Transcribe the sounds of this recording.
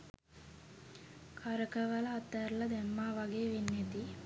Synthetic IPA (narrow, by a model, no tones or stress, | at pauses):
kʰaɾəkəʋɐlɐːt̪ːɐɾlɐd̪ɛmːaːʋɐɡeːʋenːet̪i